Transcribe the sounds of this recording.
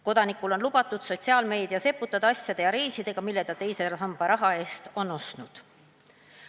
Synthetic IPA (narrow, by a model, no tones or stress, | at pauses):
ko̞d̪̥ɑnikːˑulo̞nlub̥ɑt̪ːˑud̪̥so̞t̪ʲsiɑːlme̞ːd̪̥iɑse̞pːut̪ːˑɑd̪̥ɑɑsʲjɑd̪̥ejɑɾe̞ːsid̪̥e̞ɡ̥ɑmilːe̞d̪̥ɑt̪e̞jse̞ɦɑmb̥ɑɾɑɦɑe̞ːst̪o̞nːo̞st̪nud̪̥